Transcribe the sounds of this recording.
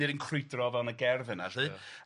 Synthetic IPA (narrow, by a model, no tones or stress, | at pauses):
ɨɾinkʰrɪjdrɔvɛlˠnəɡɛrvɨnaɬɨ